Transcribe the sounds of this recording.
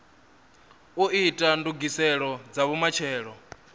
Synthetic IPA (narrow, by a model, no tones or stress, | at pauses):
uʔitʼanduɡisɛɺɔd͡zaβumat͡ʃʰɛːɺɔ